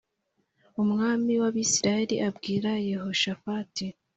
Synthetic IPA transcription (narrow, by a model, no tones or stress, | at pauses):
umŋaːmiwaβisiɾajeɾiʔabɡiːɾajeho̞ʃafati